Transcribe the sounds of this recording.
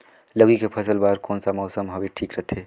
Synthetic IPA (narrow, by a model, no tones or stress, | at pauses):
lɐɡikepʰɐsəlbaːɾkɔːnsamɔːsəmɦɐbʱiʈʰiːkɾɐt̪ʰeː